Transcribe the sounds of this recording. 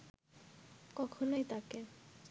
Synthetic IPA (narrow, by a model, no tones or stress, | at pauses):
kɔkʰonojt̪ake